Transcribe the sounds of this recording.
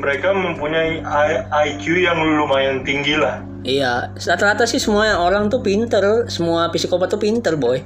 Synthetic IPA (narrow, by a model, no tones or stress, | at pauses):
məɾekaməmpuɲajajajkjujaŋulumaɪnt̪iŋɡilah | ijasat̪əɾat̪asɪhsəmuaoɾaŋt̪upint̪ərsəmuapisikopat̪upint̪ərboɛh